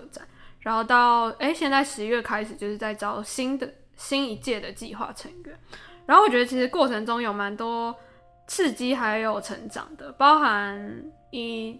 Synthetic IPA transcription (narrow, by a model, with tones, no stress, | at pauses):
ʈ͡ʂa̰˨˩˦nɻa˧˥nxo˥˧ʊt̪ɑ˥˩ʊe˥ɪɕjɛ˥˧nt͡sa˥˩ɪʂɻ̩˧˦ɥɛ˥˩kʰa˥ɪʂɻ̩˨˩t͡ɕjo˥˧ʊʂɻ̩˥˧t͡sa˥˩ɪʈ͡ʂɑ˥ʊɕi˦˥nd̪ə˨ | ɕi˥ni˧˥t͡ɕjɛ˥˩d̪ə˩t͡ɕḭ˥˧xwa̰˥˩ʈ͡ʂʰə˧˥ŋɥɛ˧˦nɻa˧nxo˥˩wt͡ɕɥɛ˧˥ə˧˩t͡ɕʰi˧˥ʂ̩˧˥kwɔ˥˩ʈ͡ʂʰə˧ŋʈ͡ʂʊ˥ŋjo˨˩ʊma˧˥nt̪wɔ˥ | t͡s̩ʰ˥˧t͡ɕi˥xa˧ɪ˧jo˨˩ʊʈ͡ʂʰə˧˥ŋʈ͡ʂɑ̰˨˩ŋd̪ə˦pɑ˥ʊxa˧˦n | i˥˩